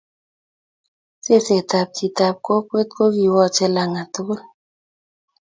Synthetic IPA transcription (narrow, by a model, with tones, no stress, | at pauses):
se˦˨se˨ta˨p̚tʰi˨ta˨p̚ko˦kwe˦t̚ko˦ki˨wɔ˦˨t͡ʃɛ˦la˨ŋa˨to˦ɣo˦l